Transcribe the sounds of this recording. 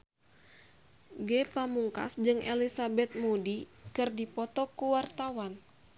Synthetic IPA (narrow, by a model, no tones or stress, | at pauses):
ɡɛpamuŋka̰sd͡ʒɨŋʔɛlisabɛt̪̚mudikɨrdipɔt̪ɔkuwart̪awan